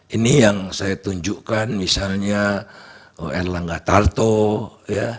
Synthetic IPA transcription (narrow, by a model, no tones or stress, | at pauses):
inijaŋsajat̪uɲd͡ʒuʔkanmisalɲa | ɛrlaŋɡat̪art̪oja